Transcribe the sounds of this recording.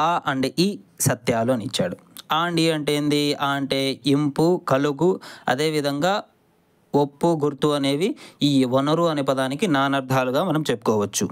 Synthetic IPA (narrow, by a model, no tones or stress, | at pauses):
aːʔɐɳɖiʔiːsɐt̪jaːloːnit͡ʃːaːɽu | aːɳɖiɐɳʈeːnd̪iaːɐɳʈe̞ːimpukɐluɡuɐ̰d̪e̞ːʋid̪ʱɐŋɡaː | opːuɡuɾt̪uɐne̞ːʋiiːʋɔnɐɾuɐnipɐd̪aːnikinaːnɐɾd̪ʱaːluɡaːmɐnɐmt͡ʃepːu̥kɔːʋɐt͡ʃːu